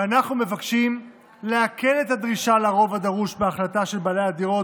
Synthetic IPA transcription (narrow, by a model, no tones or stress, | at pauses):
anaχnume̞vakʃim | leakʰe̞le̞t̪had̪ʁiʃalaʁo̞vad̪aʁuʃbeaχlataʃe̞lbalejad̪iʁo̞